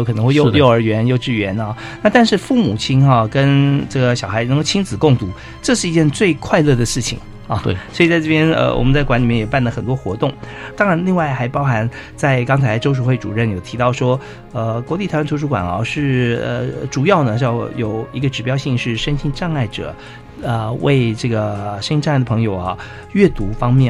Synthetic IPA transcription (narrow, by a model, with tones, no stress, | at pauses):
o˥˧kʰɤ˨˩nɤ˧˥ŋxe˥˧o˥˩jo˥˧ʊə˞˧˥ɥɛ˧˥njo˥˧ʊʈ͡ʂɻ̩˥˩ɥɛ˧˥nɐ˥˧ | na˥˧˩t̪a˥˧nʂɻ̩˥˧fu˥˩mṵ˨˩t͡ɕʰi˥nɐ˥˧kə˥nʈ͡ʂɤ˥˩ɡə˩ɕjɑ˨˩ʊxa˧˥ɪn˧˥ŋkʊt͡ɕʰi˥nt͡sɹ̩˨˩kʊ˥˩ŋt̪u˧˥˦ | ʈ͡ʂɤ˥˧ʂɻ̩˥˩i˧˥t͡ɕjɛ˥˧nt͡swe˥˧ɪkʰwa˥˧ɪlɤ˥˩d̪ə˩ʂɻ̩˥˩t͡ɕʰḭ˨˩ŋ˥˧˩ | swɔ˧˥i˨˩t͡sa˥˧ɪʈ͡ʂɤ˥˩bjɛ˥nə̰˧wɔ̰˨˩mə˦nt͡sa˥˩kwa˧˥nli˨˩mjɛ˥˩jɛ˨˩pa˥˩nlə˩xə˨˩nt̪wɔ˥xwɔ̰˧˥t̪ʊ˥˩ŋt̪ɑ˥ŋɻa˧˥nli˥˧ŋwa˥˩ɪxa˧˥ɪpɑ˥ʊxa˧˥n | t͡sa˥˧ɪkɑ˥ŋt͡sʰa˧˥ɪʈ͡ʂo˥ʊʂ̬u˨˩xwe˥˩ɪʈ͡ʂṵ˨˩ɻə˥˩njo˨˩t̪ʰi˧˥t̪ɑ˥˩ʊʂwɔ˥ | ə˧kwɔ˧˥li˥˩t̪ʰnt̪ʰu˧˥kwa̰˨˩nɐ̰˧˩ʂɻ̩˥˩ə̰˧ʈ͡ʂu˨˩jɑ˥˩ʊnə˩jɑ˥˩ʊjo˨˩ʊi˧˥ɡə˧ʈ͡ʂɻ̩˨˩pjɑ˥ʊɕi˥˧ŋʂɻ̩˥˩ʂə˥nɕʰi˥˧nʈ͡ʂɑ˥˧ŋa˥˩ɪʈ͡ʂɤ̰˨˩˦ | ə˧we˥˧ɪʈ͡ʂɤ˥˩ɡə˩ʂə˥ni˥ʈ͡ʂŋ˥˩d̪pʰɤ˧˥ŋjo˨˩ʊɐ˧ | ɥɛ˥˩t̪u˧˥fɑ˥ŋmjɛ˥˩